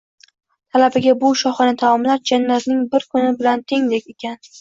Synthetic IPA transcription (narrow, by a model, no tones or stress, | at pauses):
t̪ʰalabɪɡʲabʊʃɒχɨnat̪ʰamɒmlaɾd͡ʒanːaznɪŋbɪɾkʰʊnɪbɪlant̪ʰeŋd̪ekʲe̞kʲan